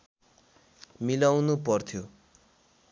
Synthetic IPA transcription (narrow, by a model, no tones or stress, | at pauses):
milawnupʌrt̪ʰjo